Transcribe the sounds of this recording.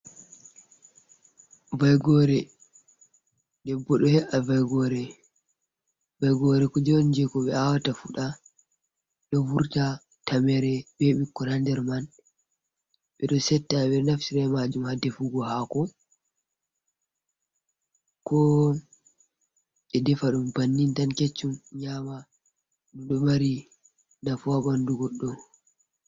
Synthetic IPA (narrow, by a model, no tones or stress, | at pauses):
vajɡɔɾɛ | ɗɛbːɔɗɔhɛʔavajɡɔɾɛ | vajɡɔɾɛkɔd͡ʒɔnd͡ʒɛkɔɓɛawatafuɗa | ɗɔvuɾta | tamɛɾɛbɛɓikːɔɾandɛɾman | ɓɛɗɔsɛtːaɓɛnaftiɾamad͡ʒumhadɛfuɡɔɦakɔ | kɔ | ʔɛdɛfaɗumbanːintanket͡ʃːumɲama | nuɗɔmaɾi | nafuabanduɡɔɗːɔ